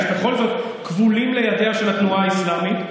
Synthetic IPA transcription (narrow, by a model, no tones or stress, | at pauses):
be̞χo̞lzo̞t̪ | kvulimle̞jad̪e̞aʃe̞lat̪nuaːislamit